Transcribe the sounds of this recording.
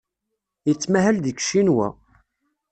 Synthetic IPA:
jət͡sːmæɦælðikʃinwæ̰

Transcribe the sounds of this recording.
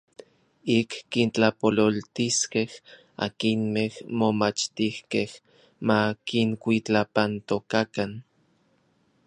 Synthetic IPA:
ikːint͡ɬapololt̪iskeh | a̰kinmehmomat͡ʃt̪ihkeh | makiŋkʷit͡ɬapant̪okakan

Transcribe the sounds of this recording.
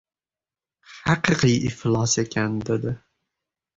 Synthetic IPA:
hɑqɨqɨjʔɪhlˠɑse̞kʲʰand̪e̞d̪ɪ

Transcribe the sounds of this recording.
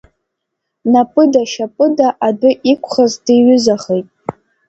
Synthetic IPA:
napʼɨdaʃapʼɨdaʔadɨʔikʷʰʼχazdeɥʏzaχejtʼ

